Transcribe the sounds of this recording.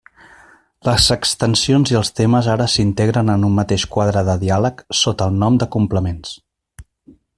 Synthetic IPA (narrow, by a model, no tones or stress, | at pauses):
ləzəkst̪ənsionziəlˠst̪eməzaɾəsint̪eɣɾənənumːət̪eʃkwaðɾəðəðialəksot̪əːlˠnɔmd̪əkumpləmens